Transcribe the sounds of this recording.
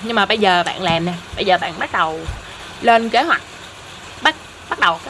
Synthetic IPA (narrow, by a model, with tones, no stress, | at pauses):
ɲɨ˧ŋmaː˨˩ɓə˧jzəː˨˩ɓa̰ː˧˨nlaː˨˩mnɛ˨˩ɓə˧jzəː˨˩ɓa̰ː˧˨nɓa˦˥t̚ɗə˨˩w | leː˧nke˨˦hwa˨˩jk̟̚ | ɓa˦˥t̚ | ɓa˦˥t̚ɗə˨˩wkː